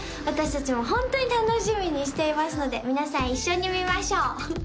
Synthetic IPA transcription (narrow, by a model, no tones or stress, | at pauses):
βat̪aɕi̥t̪at͡ɕimo̞ɦõ̞nt̪o̞ɲ̟it̪ano̞ɕimʲiɲ̟iɕ̬i̥t̪e̞imasɨno̞d̪e̞mʲinasãɰ̃iɕːo̞ɲ̟imʲimaɕo̞ː